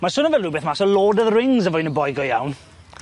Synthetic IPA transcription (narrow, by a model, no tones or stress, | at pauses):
masʊnəvɛlˠrubɛθmasɔloːdəðrɪŋzəvɔjnəbɔjɡɔjawn